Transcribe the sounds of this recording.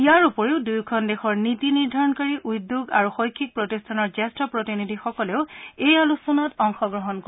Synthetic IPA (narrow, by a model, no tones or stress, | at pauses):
ijaɹupoɹeʊdujkʰɔndexɔɹnitiniɹdʱaɹɔnkaɹiʔujdːuɡa̰ɹuxojkʰːik̚pɹotistʰanɔɹzɛstɔpɹɔtinidʱixɔkɔleʊejalusɔnatɔŋxɔɡɹɔɦɔnko